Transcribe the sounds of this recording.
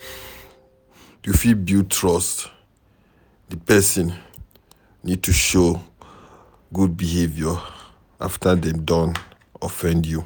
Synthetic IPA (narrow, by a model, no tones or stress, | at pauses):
jufilbjutʰɹɔst | dipɛsĩnː | id̚tʰuʃo | ɡud̚bihevjɔ | a̰ftʰadɛ̃mdɔ̃n | ɔfɛ̃ndju